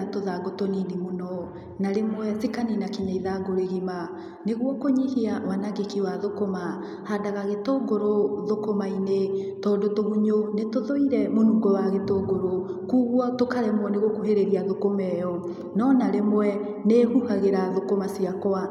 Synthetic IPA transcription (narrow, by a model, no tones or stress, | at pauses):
toðaɡotoninimonɔ | naɾemwɛsikaninakiɲaiðaɡoɾeɣima | neɣwɔkoɲihiawanaɡekiwaðokoma | hadaɣaɣetoɡoɾoðokomainetɔːndotoɦuɲonetoðoiɾɛmonuɡɔwaɣetoːɡoɾokuːɣwɔtokaɾɛmɔneɣwɔkoɦeɾeɾiaðokomɛjɔ | nɔnaɾemwɛ | nehuhaɣeɾaðokomasiakɔa